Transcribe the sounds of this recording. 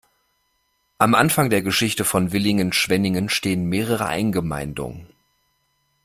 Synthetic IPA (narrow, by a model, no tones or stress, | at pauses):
ʔamʔanfaŋdeːɐɡəʃɪçtəfɔnvɪlɪŋənʃv̥ɛnɪŋənʃteːənmeːʁ̞əʁ̞ə̰ʔa̰ɪnɡəma̰ɪndʊ̰ŋən